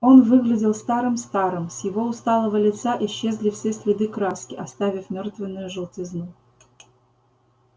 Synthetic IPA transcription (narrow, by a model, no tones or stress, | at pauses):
o̞nvɨɡlʲɪdʲɪlˠst̪ɑɾɨmst̪ɑɾɨmsʲjɪvo̞ʊst̪ɑlˠəvəlʲɪt̪saʔɪɕːezʲlʲɪfsʲesʲlʲɪd̪ɨkɾaskʲɪɐst̪avʲɪfmʲort̪vʲɪnːʊjʊʐɨlˠtʲɪznu